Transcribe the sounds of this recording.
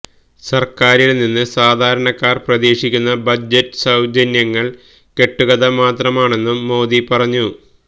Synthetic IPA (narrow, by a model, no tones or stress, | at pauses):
sɐrkaːɾilninːɨsaːd̪ʱaːɾɐɳɐkːaːrprɐðeːʂikʲːunːɐbɐd͡ʑɐtːɨ̥sɐwd͡ʑɐnjɐŋːɐɭ | ke̞ʈːuɣɐðɐmaːt̪rɐmaːɳe̞nːumːo̞ːðipɐrɐɲːu